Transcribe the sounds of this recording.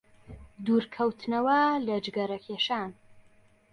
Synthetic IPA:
d̪uːɾkʰɐwt̪ʰnɐwɐlɐd͡ʒɡɐɾɐkʰeʃaːn

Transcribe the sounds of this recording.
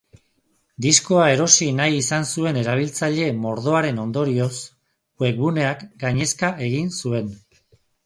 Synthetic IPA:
d̪isko̞ae̞ɾo̞sinajisansue̞ne̞ɾaβ̞ilt͡saʎe̞mo̞ɾðo̞aɾe̞no̞nd̪o̞ɾio̞s | we̞k̚βune̞akɡaɲe̞skaʔe̞ɣ̞insue̞n

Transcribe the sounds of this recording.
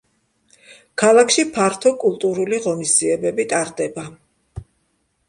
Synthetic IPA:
kʰalˠakʰʃipʰaɾt̪ʰɔkʼulˠt̪ʼuɾuliʁɔnisd̪z̥iɛbɛbit̪ʼaɾd̪ɛba

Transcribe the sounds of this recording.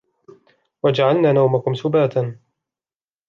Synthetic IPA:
wad͡ʒaʕalnaːnawmakʊmsʊbaːt̪an

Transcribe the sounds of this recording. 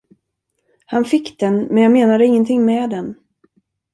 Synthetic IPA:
hanfɪkːd̪ɛnmɛnjɑmeːnad̪əɪŋːənt̪ʰɪŋmɛːd̪ɛn

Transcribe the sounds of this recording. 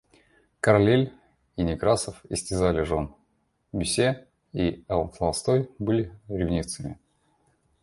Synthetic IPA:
kəɾɐlʲelʲ | inʲɪkɾasəfɪ̰sʲtʲɪzalʲɪʐon | bʲʏsʲe | iɐlˠslˠɐlˠst̪ojbɨlʲɪɾʲɪvnʲit̪sɨmʲɪ

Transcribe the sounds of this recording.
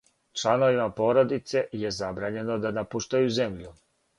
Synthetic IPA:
t͡ʃlano̞ʋimapo̞ːɾo̞d̪it̪se̞jezabɾaːɲe̞no̞d̪anapuʃt̪ajuze̞mʎu

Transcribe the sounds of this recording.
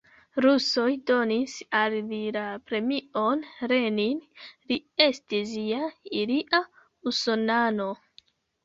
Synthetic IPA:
ɾuso̞jdo̞nisallilapɾe̞mio̞nɾe̞ninlie̞stiziaiɾiʔa | usonano̞

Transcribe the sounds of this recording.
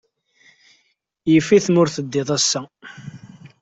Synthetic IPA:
jəfiθmʊɾθəd̪ːɪðˤæsːæ

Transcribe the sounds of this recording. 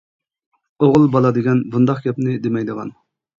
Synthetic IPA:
oʁʊlˠbɑlˠɑd̪eɡʲɛnbund̪ɑqɡʲɛpnɪd̪emɛjd̪əʁɑ̰n

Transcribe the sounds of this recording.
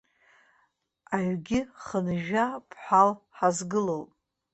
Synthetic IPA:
aɥɡʲɪχənʒapʰħʷalħazɡɨlolʼ

